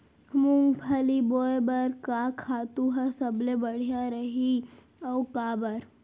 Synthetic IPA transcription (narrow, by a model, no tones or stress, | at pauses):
mʊŋɡpʰɐliboːebəɾkakʰaːt̪uɦəsəblebəɽ̤ijaɾəɦi | ɔkaːbəɾ